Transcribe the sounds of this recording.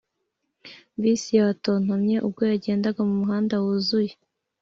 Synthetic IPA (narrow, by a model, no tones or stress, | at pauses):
βiːsijaβaton̥omɲe̞ʔub̚ɡo̞jaɟe̞ːndaɡamumuɦaːndawuzuje